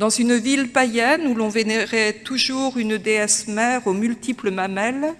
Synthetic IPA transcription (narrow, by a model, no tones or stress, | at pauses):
d̪ɑ̃zynvilpajɛnulɔ̃veneʁet̪uʒuʁynd̪eɛsmɛʁomylt̪ipləmamɛl